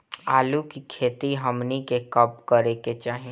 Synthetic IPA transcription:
aːlukikʰeːt̪iɦɐmnikekɐb̚kəɾeket͡ʃaːɦĩ

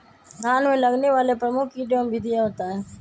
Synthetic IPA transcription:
ɡʱaːnmẽːləɡneːʋaːleːpɾəmʊkʰiːɖjoːmbʱiːd̪ɪjaːɦoːt̪aːɦẽː

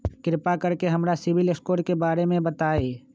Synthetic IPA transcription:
kɾɪpakəɾkeɦɐmɾasɪʋɪlɪskoːɾkebaːɾemẽbət̪aːeː

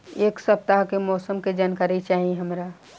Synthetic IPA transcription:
eːksɐp̚t̪aɦkemɔːsəmked͡ʒankaːɾit͡ʃaːɦieɦɐmɾaː

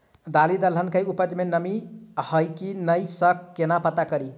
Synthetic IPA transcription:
d̪alid̪əlɦənkəjupəd͡ʒmenəmihəjkinəjsəkːenapət̪akəɾi

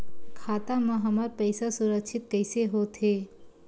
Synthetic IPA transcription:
kʰaːt̪amə̃ɦɐmaɾpɛɪsasʊɾəkʃʰɪt̪̚kɛɪseɦot̪ɦeː

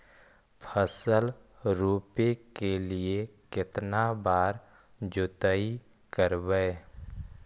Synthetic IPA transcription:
pʰəsəl | ɾuːpekeliekɪt̪nabaːɾ | d͡ʒʊt̪əi | kəɾbəe

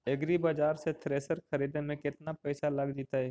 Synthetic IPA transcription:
ɪɡɾibɐd͡ʒaːɾset̪ʰɾeːsəɾkʰɐɾiːd̪emẽkɪt̪napɛɪsalɐɡd͡ʒiːt̪aɦɛː

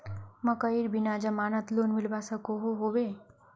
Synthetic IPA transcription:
məkəiɾbinad͡ʒəmanət̪lonmilbasəkoɦoɦobe

